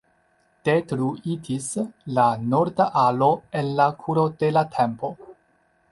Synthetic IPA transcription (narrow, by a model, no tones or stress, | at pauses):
d̥etɾuitislano̞ɾdaʔalo̞e̞nlakʰuɾo̞de̞latʰe̞mpo̞